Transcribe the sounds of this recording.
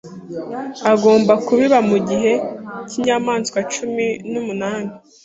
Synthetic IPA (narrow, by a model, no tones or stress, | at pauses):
aɡo̞ːmbakuβiβamuɟiɦe̞ciɲamaːnskwat͡ʃuminumunaːni